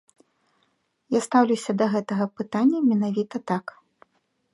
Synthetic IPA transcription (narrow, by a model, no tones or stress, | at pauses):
jast̪awlʲuwsʲɐd̪ɐɣɛt̪ɐɣɐpɨt̪anʲːɐmʲɛnavʲit̪ɐt̪ak